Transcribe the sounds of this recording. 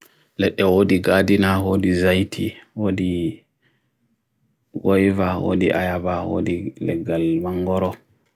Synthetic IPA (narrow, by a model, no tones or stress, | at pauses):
lɛɗːɛwoːdiɡadinawodizajtʰiwoːdi | wɔjvawo̰ːdiʔajabawo̰ːdilɛ̰ɡalmaŋɡɔɾɔ